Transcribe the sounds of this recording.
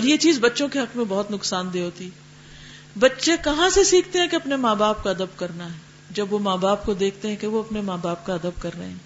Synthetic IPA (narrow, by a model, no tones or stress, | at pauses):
ɔɾjet͡ʃiːzbɐtːʃõkeɦɐkmẽbɔɦʊt̪nʊksaːnd̪eːɦoːt̪i | bɐtːʃekɐɦãsesiːkʰt̪eɦɛ̃keɐpnemaːbaːpkaɐd̪əbkɐɾnaɦɛː | d͡ʒɐbʋomaːbaːp̚kod̪eːkʰt̪eɦɛ̃keʋoɐpnemaːbaːp̚kaɐd̪əb̚kɐɾnɐɦeɦɛ̃ː